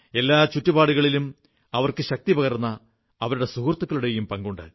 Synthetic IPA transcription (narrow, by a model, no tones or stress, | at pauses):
e̞lːaːt͡ɕutːiubaːɽuɣɐɭilum | ɐʋɐrkɨɕɐk̚t̪ipɐɣɐrnːɐː | ʋɐɾuɽe̞suɦrt̪ːɐkːɐɭuɽe̞jumpɐŋɡuɳɖɐ̰